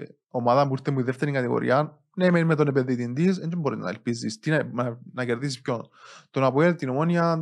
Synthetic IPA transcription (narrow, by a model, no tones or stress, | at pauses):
omaðɐpuiɾt̪ːemuiðeft̪eɾiŋkɐt̪iɣo̰ɾʔḭɐn | nemenimet̪onepenðit̪ind̪is̬end͡ʒomboɾiznɐ̰elpizḭst̪inɐɐnɐceɾðis̬isp̚çont̪onɐpoelt̪ːinomoniɐ